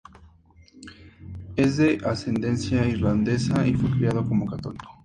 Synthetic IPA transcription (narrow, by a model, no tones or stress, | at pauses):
e̞zðe̞ʔase̞nd̪e̞nsjaiɾland̪e̞saʔifwe̞kɾeað̞oko̞mo̞kat̪oliko̥